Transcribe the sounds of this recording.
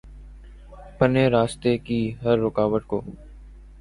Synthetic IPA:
pəneːɾaːst̪ekiːɦəɾːʊkaːʋəʈ̪̚koː

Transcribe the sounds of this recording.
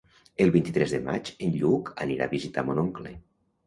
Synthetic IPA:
elˠβint̪it̪ɾɛzðema̰t͡ʃenʎuka̰niɾa̰βizit̪amonoŋklḛ

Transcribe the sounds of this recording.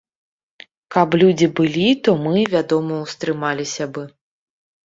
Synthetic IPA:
kɐplʲud͡zʲibɨlʲit̪ɔmɨvʲad̪ɔmɐwst̪ɾɨmalʲisʲɐbɨ

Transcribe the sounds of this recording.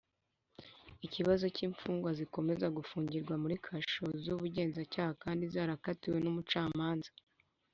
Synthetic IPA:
iciβazo̞ciɱfuːŋɡwaziko̞me̞zaɡufuːɲɟiɾɡwamuɾikʰaʃozuβuɟe̞ːnzacaːhakaːndizaːɾakatiwe̞numut͡ʃaːmaːnza

